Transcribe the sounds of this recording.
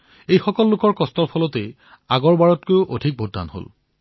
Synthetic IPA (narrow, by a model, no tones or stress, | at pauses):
ejxɔkɔlːʊkɔɹkɔstɔɹpʰɔlɔte | aɡɔɹbaɹɔt̚kojʊʔodʱik̚bodʱːa̰nɦo̰l